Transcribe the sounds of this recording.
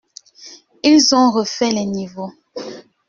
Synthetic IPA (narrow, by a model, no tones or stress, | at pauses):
ilzɔ̃ʁəfɛlɛnivo